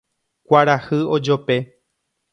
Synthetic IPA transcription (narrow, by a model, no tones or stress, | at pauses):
kʷaɾahɨo̞d͡ʒope̞